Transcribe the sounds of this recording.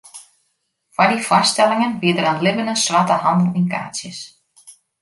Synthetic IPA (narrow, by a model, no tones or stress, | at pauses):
fvaɾifast̪ɛlɪŋanviːðɪɾanlɪvʏnasvaːt̪ahanulinka̰ːsɪs